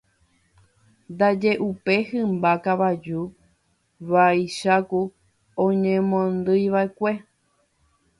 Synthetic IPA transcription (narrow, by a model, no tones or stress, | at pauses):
nd̪ad͡ʒe̞ʔupe̞hɨ̃mbakaʋad͡ʒu | ʋajʃaku | õɲẽmõnd̪ɨjʋae̞kʷe̞